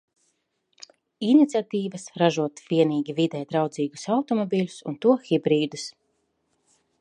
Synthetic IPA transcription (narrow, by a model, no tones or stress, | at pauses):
init̪sʲat̪iːvɐsɾaʒuɔt̪v̥ʲiɛniːɡʲivid̪ɛjt̪ɾawd̪ziːɡu̥sawt̪ɔmɔbʲiːlʲu̥sunt̪uɔxibɾiːd̪us